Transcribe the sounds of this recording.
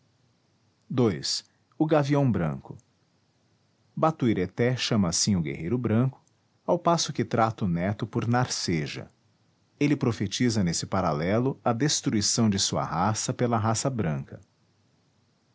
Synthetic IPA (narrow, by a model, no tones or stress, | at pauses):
d̪ojs | ʊɡaviɐ̃w̃bɾɐ̰̃kʊ | bat̪uiɾet̪ɛʃɐ̃mɐːsĩʊɡḛɦejɾʊbɾɐ̃kʊ̥ | awpasʊkɪt̪ɾat̪ʊnɛt̪ʊpʊɾnaɾseʒɐ̰ | elɪpɾofet͡ʃizɐnesɪpaɾa̰lɛlʊɐd̪est̪ɾuisɐ̃w̃d͡ʒɪsuɐ̰ɦasɐpelɐɦasɐbɾɐ̃kɐ